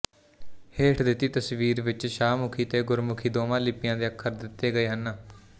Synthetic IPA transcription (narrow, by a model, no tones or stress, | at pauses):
heːʈʰd̪ɪt̪ːiːt̪əsʋiːɾʋɪt͡ʃʃaːmʊkʰiːt̪eːɡʊɾmʊkʰiːd̪oːmãːlɪpːɪjãːd̪eːəkʰːəɾd̪ɪt̪ːeːɡəeːɦənː